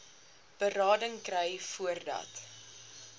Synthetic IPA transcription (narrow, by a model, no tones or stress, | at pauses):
b̥ərɑːdəŋkrɛjfuərdɐ̰t